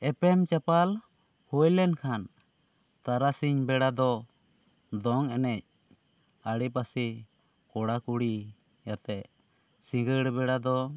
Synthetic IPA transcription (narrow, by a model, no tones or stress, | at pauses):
ɛpɛmt͡ʃapal | hujlɛnkʰan | t̪aɾasiɲbɛɽad̪ɔ | d̪ɔŋɛnɛc̚ | aɽipasi | kɔɽakuɽi | jat̪ɛ | sĩŋɡəɽbɛɽad̪ɔ